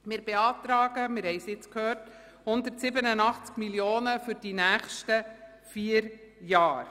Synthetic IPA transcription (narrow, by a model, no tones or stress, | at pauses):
mɪːɾb̥eɑːt̪ɾɑːɡəmɪɾhɛɪsjɪt͡skʰhøːrt | hʊnd̪əɾtsɪbənənɑχt͡skmiljoːnəfyɾd̥inæːχʃtə | fiːəɾ | jɑːɾ